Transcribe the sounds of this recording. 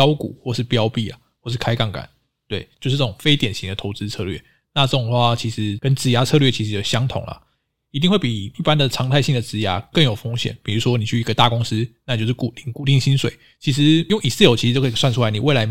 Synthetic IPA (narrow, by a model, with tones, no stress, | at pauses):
jɑ˥ʊkṵ˨˩˦xwɔ˥˧ʂɻ̩˥˩pjɑ˦ʊpi˥˩a̰˩xwɔ˥˧ʂɻ̩˥˩kʰa˥ɪkɑ˥˩ŋka̰˨˩˦n | t̪we˥˩ɪt͡ɕjo˥˧ʊʂ̩˥˧˩t͡sɤ˥˩ʈ͡ʂʊ˨˩ŋfe˥ɪt̪jɛ˨˩nɕi˧˥ŋd̪ə˨t̪ʰo˧ʊt͡sɹ̩˥t͡sʰɤ˥˧lɥɛ̰˥˩ | na˥˧ʈ͡ʂɤ˥˩ʈ͡ʂŋxwa˥˩t͡ɕʰi˧˥ʂɻ̩˧˥kə˦nt͡sɹ̩˧˥ja˧˥t͡sʰɤ˥˧lɥɛ˥˩t͡ɕʰi˧˥ʂɻ̩˧˥jo˨˩ɕjɑ˥ŋt̪ʰʊ̰˨˩ŋlɐ̰˨ | i˧˥t̪i˥ŋwe˥˩pi˨˩i˥˩pa˦nd̪ə˨ʈ͡ʂʰɑ˧˥ŋt̪ʰa˥ɪɕi˥˩ŋd̪ə˩t͡sɹ̩˧˥ja̰˧˥kə˥˩ŋjo˨˩ʊfo˥ŋɕjɛ̰˨˩˦npi˨˩ɻu˧˥ʂwɔ˥ni˨˩t͡ɕʰy˥˩i˧˥ɡə˧t̪a˥˩kʊ˥ŋs̩˥na˥˩˨jo˥˧ʊʂ̬ʰɻy˥˩ku˨˩t̪i˨˩ŋku˥˧t̪i˥˩ŋɕi˥nswḛ˨˦ɪ | t͡ɕʰi˧˥ʂ̬ɻ̩˧˦jŋi˨˩sɹ̩˥˨jo˧˥ʊi˧o˥kʰswa˥nʈ͡ʂʰu˥a˧ɪni˨˩we˥˩la˧ɪ